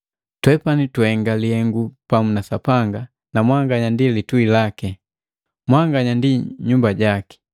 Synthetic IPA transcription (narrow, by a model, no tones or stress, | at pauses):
twɛpanitwhɛŋɡalihɛŋɡupamunasapaŋɡa | namwaŋɡaɲandilituilakɛ | mwaŋɡaɲandiɲumbaɟaki̥